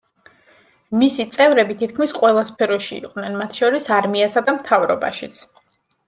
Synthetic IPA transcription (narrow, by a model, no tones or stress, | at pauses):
misit̪sʼɛvɾɛbit̪ʰit̪̚kʰmisqʼwɛlˠaspʰɛɾɔʃiḭqʼwnɛnmat̪ʰʃɔɾisaɾmiasad̪amt̪ʰavɾɔ̰ba̰ʃit̪sʰ